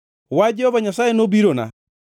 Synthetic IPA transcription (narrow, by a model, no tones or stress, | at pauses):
wad͡ʒɛhɔβaɲasaenobiɾona̰